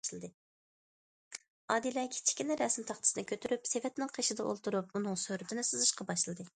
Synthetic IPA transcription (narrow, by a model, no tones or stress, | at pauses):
ʃlˠɨd̪ɨ | ɑːd̪ilɛkʲʰi̥t͡ʃʰi̥kʲinɪɾɛsɪmt̪ʰɑχt̪ʰsnɪkʲʰøt̪ʰyɾypsevɛt̪nɪŋqʰeʃɪd̪ɛʔo̰lˠt̪ʰuɾup̚munɨŋsøɾyt̪ʰɪnɪsɨzɨʃqɑbɑʃlˠɨd̪ɨ